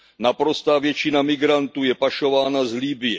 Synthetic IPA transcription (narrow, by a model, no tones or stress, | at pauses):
napɾo̞st̪aːvjɛt͡ʃɪnamɪɡɾant̪uːjɛpaʃo̞vaːnazlibɪjɛ